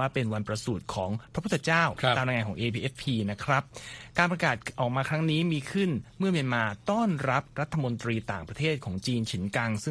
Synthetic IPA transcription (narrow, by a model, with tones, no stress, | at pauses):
aː˥˩pe˧nwa˧npɾa˧suː˨˩t̪̚kʰɔː˩˦ŋpʰɾa˦pʰt̪ʰːa˧t͡ɕaː˥˩wʰaː˧mɾaː˧jŋa˧kɔː˩˦ʔeː˧pʰiː˧ʔe˦˥fpʰiː˧na˦˥kʰɾa˦˥p̚kaː˧npɾa˧kaː˨˩t̪̚ʔɔː˨˩k̚maː˧kʰɾa˦˥ŋniː˦˥miː˧kʰɯ˥˩nmɯ˥˩mi˧ənmaː˧t̪ɔː˥˩nɾa˦˥p̚ɾa˦˥t̪ʰːa˧mo˧nt̪ɾiː˧t̪aː˨˩ŋpɾa˧t̪ʰeː˥˩t̪̚kʰɔː˩˦ŋt͡ɕiː˧nt͡ɕʰi˩˦nka˧ŋsɯ˥˩